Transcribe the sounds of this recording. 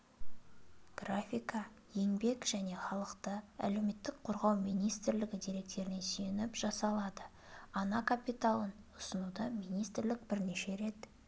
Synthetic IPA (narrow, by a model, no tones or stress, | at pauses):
ɡ̥rafʲijkɑ | je̞ŋbe̞kʒ̥æne̞χɑlˠəqt̪əæ̰le̞wme̞t̪ːɪk̚qʰoɾʁɑwmijnijst̪ɪɾlɪɡʲɪd̪eɾe̞k̚t̪e̞ɾɪnesʏjenɪpʒ̥ɑsɑlˠɑd̪ə | ɑnɑkʰapijt̪alˠənʊsənud̪ɑmijnijst̪ɪɾlɪkbɪɾneʃe̞ɾe̞t̪